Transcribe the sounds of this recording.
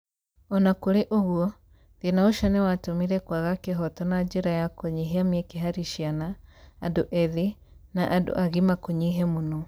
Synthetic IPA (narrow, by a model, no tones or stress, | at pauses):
ɔnakoɾeʔoɣwɔ | ðenaoʃanɛwatomiɾɛkwaɣakeɦɔtɔnad͡ʒeɾajakoɲiɦeamiɛkeɦaɾiʃianaːdoʔɛði | naʔado̰ʔaɣimakoɲiɦɛmonɔ